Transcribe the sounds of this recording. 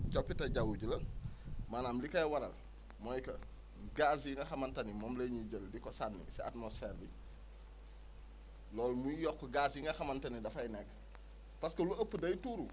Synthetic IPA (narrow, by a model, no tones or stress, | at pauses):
t͡ʃɔpːitɐɟawuɟulɐmaːnaːmlikɐjwɐɾɐ̰l | mɔjkɐ | ɡasiŋɡɐxɐmɐntɐnimɔːmlɐɲiɟəldikɔsanːḭsia̰tmosfɛːɾbi | lɔːlmuijɔkːɡaziiŋɡɐxɐmɐntɐnidɐfɐjnɛkː | pɐskɐluɐpːədɐjtuːɾu